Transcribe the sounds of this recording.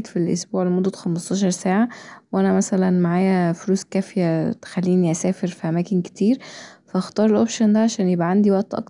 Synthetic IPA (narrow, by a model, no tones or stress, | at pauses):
t̪filʔo̰sbuːʕlemod̪ːæxæmɑst̪ˤɑːʃɑɾˤsæːʕawʔænæmæsælænmaʕaːjæfoɾuːskæːfjæt̪xælːiːniʔæsæːfeɾfiʔæmæːkenke̥t̪iːɾfæʔɑxt̪ˤɑːɾˤelʔopʃond̪æʕaʃæːnjebʔæʕand̪iwæʔt̪ʔɑ̰k̚